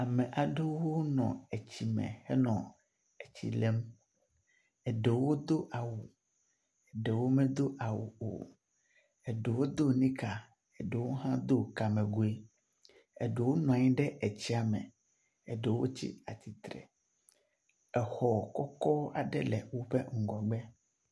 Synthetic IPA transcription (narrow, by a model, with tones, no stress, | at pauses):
a˨mɛ̃˨ʔa˨ɖe˦wo˦nɔ̰̃˨e˨t͡ɕi˨mɛ̰̃˨hɛ˦nɔ̃˨ | ɛ˨t͡ɕḭ˨lɛ˦m | ɛ˨ɖɛ˨wo˦d̪o˦ʔa˨wu˨ | ɛ˨ɖɛ˨wo˦mɛ̃˦d̪o˦ʔa˨wṵ˨o̰˨ | ɛ˨ɖe˨wo˦d̪o˦nĩ˦ka˨ | e˨ɖe˨wo˦ɦã˦d̪o˦ka˨mɛ̃˨ɡu˨e˦ | ḛ˨ɖe˨wo˦nɔ̃˨a˨ɲĩ˦ɖɛ˦ʔɛ˨t͡ɕi˦a˨mɛ̰̃˨ | e˨ɖe˨wo˦t͡ɕḭ˦a˨t̪i˨t̪ɾɛ̰˨ | ɛ˨xɔ˨kɔ˦kɔ˦a˨ɖɛ˦lɛ̰˨wo˦ɸɛ˦ŋ̩˦˨ɡɔ˨ɡ͡bɛ˦